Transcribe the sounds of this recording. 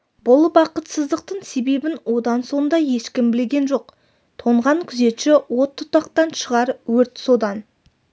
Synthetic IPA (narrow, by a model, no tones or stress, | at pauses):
bʊlˠbɑqət̪səzd̪əqt̪əɴse̞be̞bɪnwo̞d̪ɑnso̞nd̪ɑje̞ʃkʲɪmbɪleɡʲe̞nʒo̞q | t̪ʰo̞ɴʁɑŋkʲʰʏze̞t̪ʃɪwo̞t̪ʰːʊ̥t̪ɑqt̪ɑnʃəʁɑɾwɵɾt̪so̞d̪ɑn